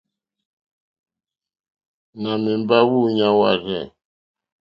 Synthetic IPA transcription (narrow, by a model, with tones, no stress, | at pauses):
na˨mi˨m˦ba˦wu˦ɲa˦wa̰˦˨ɾɛ˦˨